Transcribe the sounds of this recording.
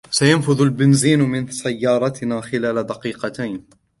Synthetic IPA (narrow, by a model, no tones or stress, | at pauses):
sajanfʊðʊlbɪnziːnmɪnsajːɑːɾˤɑt̪ɪnaːxɪlaːlad̪ɑqiːqɑt̪ajn